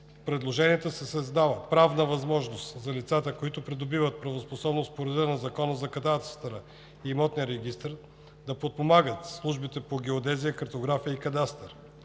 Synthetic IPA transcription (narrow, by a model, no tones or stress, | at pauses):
pɾɛd̪lˠoʒɛniɛt̪əsɛsɐzd̪avəpɾavnəvɐzmɔʒnost̪zɐlit̪sat̪əkoit̪ʊpɾɛd̪obivət̪̚pɾɐvosposɔbnost̪poɾɛd̪ənɐzɐkɔnəzɐkɐd̪ast̪ɾə | iːmɔt̪nijəɾɛɡ̟ist̪əɾ | d̪ɐpot̪̚pomaɡət̪slˠuʒbit̪ɛpoɡʲɛod̪ɛzijəkɐɾt̪oɡɾafijəikɐd̪ast̪əɾ